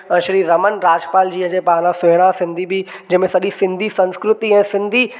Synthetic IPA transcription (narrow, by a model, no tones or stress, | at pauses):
ʃɾiːɾɐmənɾaːd͡ʑpaːld͡ʑiːɦə̃d͡ʑepaːnãsʊɽ̃ãsɪ̃nd̪ʱibid͡ʑɐ̃ɪ̃mẽsɐɗisɪ̃nd̪ʱisɐ̃nskɾʊt̪iɛ̃ːsɪ̃nd̪ʱi